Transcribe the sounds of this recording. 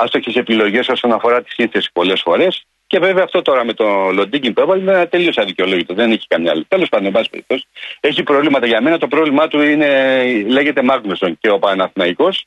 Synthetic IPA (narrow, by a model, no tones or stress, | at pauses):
ɐst̪oçʰese̞pilo̞ʝe̞so̞so̞nɐfo̞ɾɐt̪i̥sinθe̞si̥po̞le̞sfo̞ɾe̞s | ce̞ve̞veɐːft̪ot̪o̞ɾɐme̞t̪o̞lo̞d̪iɟimpevɐlt̪e̞lio̞sɐðiceo̞lo̞ʝit̪oðene̞çi̥kɐmɲɐɐ̰lot̪e̞lo̞spɐnd̪oebɐsipeɾḭp̚t̪o̞si̥e̞çipɾo̞vlimɐt̪ɐʝɐme̞nɐt̪o̞pɾo̞vlimɐt̪uine̞le̞ʝe̞t̪e̞mɐɣnost̪once̞opɐnɐθnɐiko̞s